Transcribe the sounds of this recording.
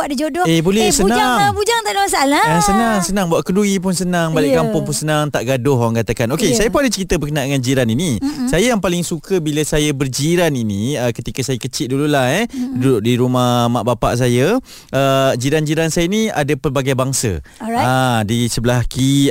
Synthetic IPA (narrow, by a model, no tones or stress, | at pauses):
adid͡ʒodɔebolɛsənaaŋbud͡ʒaŋt̪aʔdamasaalajasənaŋsənãŋbuaʔkəduip̬ʊnsənaŋbalɪʔkampʊŋpʊnsənaŋt̪aʔɡadʊhawaŋkat̪akanokesajapuŋadət͡ʃəɾit̪əbəkənaʔdəŋand͡ʒiɾaninisajajaŋpalɪŋsukʰəbiləsajəbərd͡ʒiɾaniniəkət̪ikəsajakət͡ʃɪt̪̚dululahɛdudʊʔdiɾumamaʔbapa̰ʔs̬ajə | əd͡ʒiɾand͡ʒiɾansajənia̰dapərbaɡajbaŋsə̰adisəbəlahki